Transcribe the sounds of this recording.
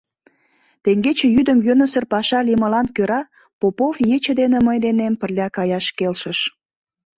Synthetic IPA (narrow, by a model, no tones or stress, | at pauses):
t̪eŋɡet͡ɕĕjyd̪əmjønəsərpɑʃɑliməlɑnkøɾɑ | popofjet͡ɕəd̪enĕməjd̪enempə̆rlʲɑkɑjɑʃkelʃəʃ